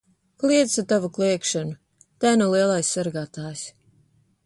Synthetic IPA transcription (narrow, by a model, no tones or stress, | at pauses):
klˠiɛt̪sat̪avuklˠiɛkʃanu | t̪æːnulˠiɛlˠajsːaɾɡaːt̪aːjs